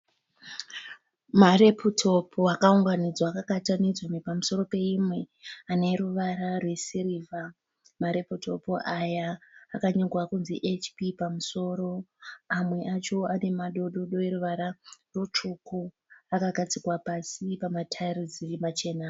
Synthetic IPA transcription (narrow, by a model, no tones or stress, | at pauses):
marepʰutʰo̞pʰoakauŋɡanid͡zwakakatanid͡zomipamuso̞ɾo̞pe̞imwe̞ | ane̞ɾuʋaɾarwe̞siriva | maɾe̞putʰo̞̰poʔajaːkaɲeŋɡwakunziʔet͡ʃpipamuso̞ɾo̞amwe̞ʔat͡ʃo̞ane̞maɗo̞ɗo̞ɗo̞eɾuʋaɾarot͡ʂuku | akaɡʱat͡sikwapasipamatʰarid͡zirimat͡ʃe̞ːna